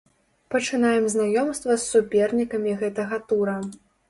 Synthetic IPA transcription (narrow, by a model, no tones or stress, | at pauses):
pɐt͡ʂɨnajɛmznajɔmst̪vɐsːupʲɛrnʲikɐmʲiɣɛt̪ɐɣɐt̪uɾɐ